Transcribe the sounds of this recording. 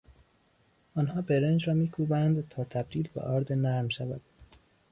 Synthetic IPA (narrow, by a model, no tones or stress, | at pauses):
ʔɒːnhɒːbeɾend͡ʒɾɒːmiːkʰuːbænd̪t̪ʰɒːt̪ʰæb̚d̪iːlbḛʔɒːɾd̪enæɾmʃævæd̪̥